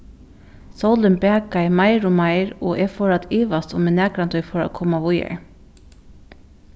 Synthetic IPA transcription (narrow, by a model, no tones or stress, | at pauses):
sowlɪnbɛːkaɪmaɪɾʊmaɪɹɔ̰ʔɛfɔɹat̪ʰiːʋast̪ʊmɛɪnæːkɾant̪ʏjfɔɹa̰kʰɔːmaʋʊja̰ɹ